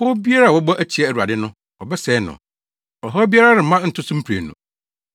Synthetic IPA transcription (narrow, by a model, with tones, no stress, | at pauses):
ho˦bi˦a˦ɾa˦˨wɔ˦bɔ˦ʔæ˦t͡ɕʰi˨˦ɛ˨æ˨u˨a̰˨dɪ˦nʊ̃˦ | ɔ˨bɛ˦sɛ˨˦nʊ̰̃˨ | ɔ˨ɦɔ˦bi˦a˦ɾa˦ɾɪ˨mã˦n̩˨tʰʊ˦sʊ̃˦m̩˦pʰɾḛ˨nṵ̃˨